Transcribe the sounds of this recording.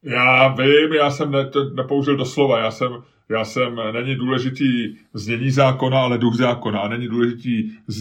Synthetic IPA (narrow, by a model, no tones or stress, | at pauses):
jaːvɪmjaːsɛmnɛt̪onɛpouʒɪldoslo̞vajaːsɛm | jaːsɛmnɛɲɪduːlɛʒɪt̪iːzɲɛɲiːzaːko̞naalɛduxzaːko̞naanɛɲɪduːlɛʒɪt̪iːz